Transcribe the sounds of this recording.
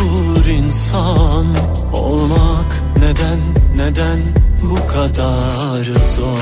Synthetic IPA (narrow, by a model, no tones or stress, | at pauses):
u | ɾinsan | o̰lˠmak | nɛd̪ænːɛd̪ænbukʰad̪a | ɾɯzɔ